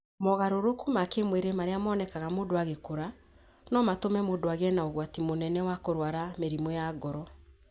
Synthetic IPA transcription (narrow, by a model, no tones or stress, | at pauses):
mɔɣaɾoɾokumakemweɾemaɾeamɔːnɛkaɣamoːndoaɣekoɾa | nɔmatomɛmoːdoaɣɛnaoɣwatimonɛnɛwakoɾwaɾameɾimwɔjaːɡɔɾɔ